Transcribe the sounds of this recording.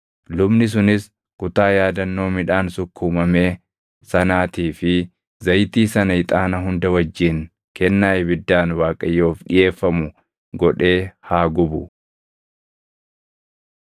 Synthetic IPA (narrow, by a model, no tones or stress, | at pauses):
lʊbnɪs̬ʊnɪs | kʊt̪aːjaːd̪ɐnːo̞ːmɪᶑaːnsʊkːʊːmɐme̞ː | sɐnaːt̪iːfɪ | zɐjt̪iːsɐnɐɪt̪ʼaːnɐɦʊnd̪ɐwɐd͡ʒːiːn | kɛnːaːjɛbɪd̪ːaːnwaːkʼɐjːoːfᶑɪje̞ːfːɐmʊ | ɡɔᶑe̞ːhaːɡʊbʊ